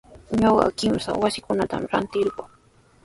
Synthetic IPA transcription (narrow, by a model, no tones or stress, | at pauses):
ɲoɢɑ̰kɪmsa̰wasɪkʊnat̪a̰mɾant̪ɪɾɢo